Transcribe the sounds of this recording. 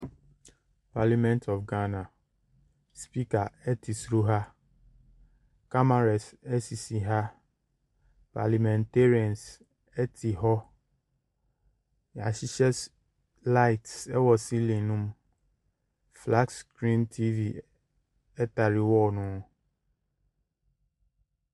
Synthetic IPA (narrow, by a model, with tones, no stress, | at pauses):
pa˨li˦mɛ̃˦ntʰɔ˨fɡa˦nã˨ | spi˦ka˨ɛ˦tʰi˨sɾu˦ɦa˦ | ka˦ma˨ɾa˨sɛ˦si˨si˨ɦa˦ | pʰa̰˨li˨mɛ̃˨nte˦ɾi˦ɛ̃˨ns | ɛ˦tʰi˨ɦɔ˦ | ja̰˨ɕi˦ɕɛ˦s | la˦ɪ˨tsɛ˦wɔ˨si˦lĩ˨nũ˦m | fla˦ɡskɾĩ˦ntʰi˦vi˨ | ɛ˦ta˨ɾɪ˦wɔ˦nʊ̃˦